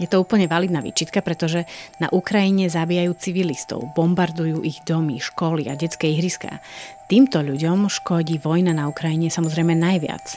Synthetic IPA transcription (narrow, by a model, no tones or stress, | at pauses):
jɛt̪ɔuːpl̩ɲɛʋalid̪naːʋḭːt͡ʃit̪̚kapɾɛt̪ɔʒɛna̰ʔukɾajiɲɛzabijajuːt͡siʋilist̪ɔ̰ʊbɔmbaɾd̪ujuːʔiɣd̪ɔmiʃkɔlia̰ɟɛt͡skɛiɦɾiska̰ːt̪iːmt̪ɔʎuɟɔmʃkɔɟiːʋɔjnanaukɾajiɲɛsamɔzɾɛjmɛnajʋɪa̰t͡s